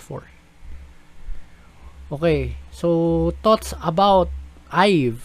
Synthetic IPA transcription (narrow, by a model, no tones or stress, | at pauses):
fɔ̰ɹ | ʔokejsot̪ɔt̪səbawt̪̚ʔajv